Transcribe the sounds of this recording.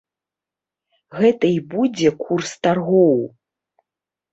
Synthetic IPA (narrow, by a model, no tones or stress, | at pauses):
ɣɛt̪ɐibud͡zʲɛkʰurst̪arɣɔw